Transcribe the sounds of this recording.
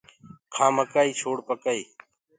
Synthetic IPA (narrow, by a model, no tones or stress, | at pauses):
kʰãːməkaːiːt͡ʃʰoːɽpəkaːiː